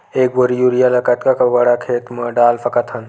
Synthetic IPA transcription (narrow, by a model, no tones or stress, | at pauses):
eːkboɾijuɾijalɐkɐt̪kakɐʋɐɽakʰeːt̪mɐɖaːlpʰɐkɐt̪ʰɐn